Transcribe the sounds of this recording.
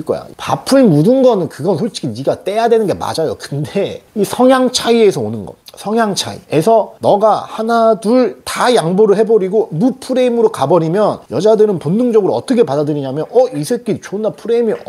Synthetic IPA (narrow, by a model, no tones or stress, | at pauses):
ɭk͈ʌ̰ja̰pa̰pʰɯnmudɯnɡʌnɯnkɯɡʌnsʰot͡ɕ͈ʰi̥kʰiniɡat͈e̞jadwe̞nɯnɡe̞ma̰d͡ʑajo̰kɯnde̞isʰʌŋjaŋt͡ɕʰaiesʰʌonɯnɡʌ̰sʰʌŋjaŋt͡ɕʰa̰ḭesʰʌnʌɡahanaduɭtajaŋboɾɯɭɦhe̞boɾiɡomupʰuɾe̞imɯɾokabʌɾimjʌnjʌd͡ʑadɯɾɯnponːɯŋd͡ʑʌɡɯɾoʌt͈ʰʌkʰe̞padadɯɾiɲamjʌnʌisʰek͈it͡ɕonapʰuɾe̞mi